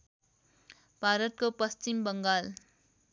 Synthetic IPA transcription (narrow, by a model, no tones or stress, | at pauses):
bʱaːɾʌt̪̚kopʌst͡ʃimbʌŋɡaːl